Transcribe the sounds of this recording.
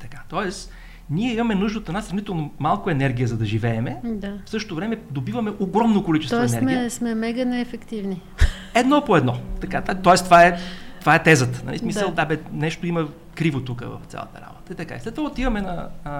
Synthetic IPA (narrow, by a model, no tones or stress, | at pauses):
t̪ɐkat̪ɔɛs | niɛimɐmɛnuʒd̪ət̪ɛnasɾɐvnit̪ɛlˠnomalˠkoɛnɛɾɡʲiəzɐd̪ɐʒivɛɛmɛd̪afsɤʃtot̪ovɾɛmɛd̪obivɐmɛʔoɡɾɔmnokolit͡ʃɛst̪ɛnɛɾɡmismɛmɛɡənɛːfɛkt̪ivni | ɛd̪nɔpoɛd̪nɔt̪ɐkad̪at̪ɔɛst̪ovaɛt̪ovaɛt̪ɛzət̪ə̥nɐ̰lʔḭsmisəllˠd̪abɛnɛʃt̪oimə | kɾivot̪ukə̰vɐ̰ft̪sʲa̰lˠɐ̰t̪ə̰ɾa̰bot̪əit̪ɐka̰islɛt̪vovaot̪ivɐmɛnɐ